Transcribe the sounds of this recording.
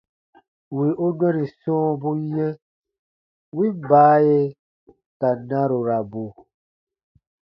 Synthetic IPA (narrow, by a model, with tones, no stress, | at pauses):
wi˨ʔo˦nɛ̃˦ɾi˨sɔ̃ː˦bu˦jɛ̃˦ | wi˦baː˨˦je˦ | ka˨nã˦ɾo˨ɾa˨bu˨